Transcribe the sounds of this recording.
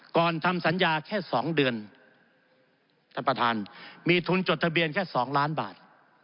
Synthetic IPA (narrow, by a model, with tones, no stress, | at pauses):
kɔː˨˩nt̪ʰa˧msa˩˦njaː˧kʰɛː˥˩sɔː˩˦ŋdɯ˧ən | t̪ʰaː˥˩npa˧t̪ʰaː˧nmiː˧t̪ʰu˧nt͡ɕo˨˩t̪̚ʰa˧bi˧ənkʰɛː˥˩sɔː˩˦ŋlaː˦˥nba̰ː˨˩t̪̚